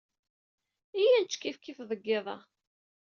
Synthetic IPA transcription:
ijænt͡ʃːkːifkːifðˤəɡːeðˤɑ̰

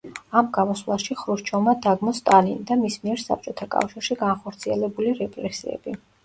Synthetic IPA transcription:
amɡamɔslˠaʃiχɾuʃt͡ʃʰɔmad̪aɡmɔst̪ʼalind̪amismiɛɾsa̰p̚t͡ʃʼɔt̪ʰakʼa̰fʃiɾʃiɡanχɔɾt̪sʰiɛlɛbuliɾɛpʼɾɛsḭɛ̰b̥i

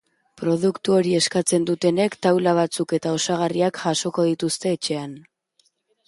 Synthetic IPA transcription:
pɾo̞ð̞ukt̪uo̞ɾie̞skat͡se̞nd̪ut̪e̞ne̞kt̪awlaβ̞at͡suke̞t̪ao̞saɣariakʝaso̞ko̞ð̞it̪ust̪e̞ːt͡ʃe̞an

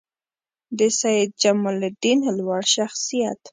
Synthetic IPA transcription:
d̪əsaɪd̪̚d͡ʒamald̪inlwaɽʃaxsijat̪

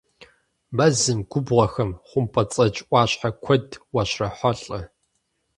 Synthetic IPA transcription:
mɐzɨmɡ̥ʷʊbʁɐxɐmχʷʊmpʰɐt͡sʼɐt͡ʃʼʔʼʷɑːɕħakʷʰɔdwɐɕrɐħʷɔɬʼɐ

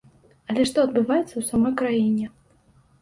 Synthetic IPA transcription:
ɐlʲɛʂt̪ɔɐd̪̚bɨvajɛt̪sːɐwsamɔjkɾajinʲɛ

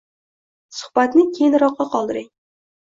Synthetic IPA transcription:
sʊ̥hbat̪nɪkʲʰejnɾɒqːɑqʰɒlˠd̪ɪɾɪŋ

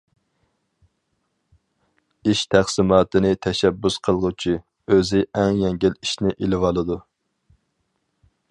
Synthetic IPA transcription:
iʃt̪ʰæχsɪmɑːt̪ɨnɪt̪ʰɛʃɛbːusqʰəlˠʁʊt͡ʃʰi | øzɪʔæŋjɛŋɡʲɪliʃnɪʔelɪvɑlˠɨd̪u

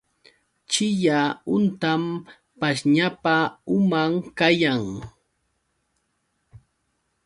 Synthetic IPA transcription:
t͡ʃɪʎaʊnt̪am | paʃɲapaʊmamkajaŋ

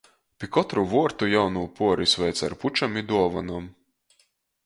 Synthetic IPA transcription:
pʲikɔt̪ɾuvuɔɾt̪ujawnuːpuɔɾisvɛjt̪sa̰ɾput͡ʃamid̪uɔvanum

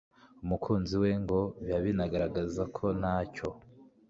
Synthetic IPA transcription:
umukʰuːnziwe̞ŋɡo̞βaβinaɡaɾaɡazakʰo̞naːco̞

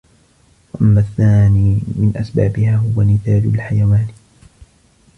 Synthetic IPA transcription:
waʔamːaθːaːniːmɪnʔasba̰ːbɪhaːɦʊwamɪθaːd͡ʒʊlħajawaːn

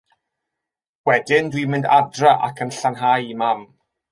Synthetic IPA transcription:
wɛdɪndwimɪndadraʔa̰kʰənɬanɦajimam

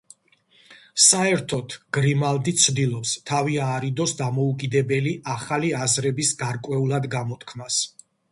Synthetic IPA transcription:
saɛɾt̪ʰɔt̪ʰɡ̥ɾimalˠd̪it̪sʰd̪ilˠɔpst̪ʰaviaːɾid̪ɔsd̪amɔukʼid̪ɛbɛliʔaχaliazɾɛbisɡaɾkʼwɛulˠad̪ɡamɔt̪ʰkʰmnas

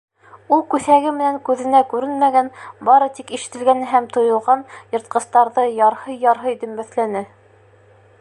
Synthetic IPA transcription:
ulˠkʉθæɡɘmɘ̆næŋkʉðɘ̆nækʉɾɘnmæɡænbɑɾɤt̪ikiʃɘ̆t̪ɘ̆lɡænɦæmt̪ŏjŏlˠʁɑnjɤ̆ɾt̪̚qɤ̆st̪ɑɾðɤjɑɾhɤjjɑɾɦɤjd̪ɵ̆mbæθlænɘ

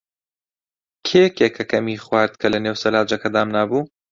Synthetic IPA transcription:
kʰekekʰɐkɐmiχwaːɾd̪̚kʰɐlɐneːwsɐlaːd͡ʒɐkʰɐd̪aːmnaːbuː

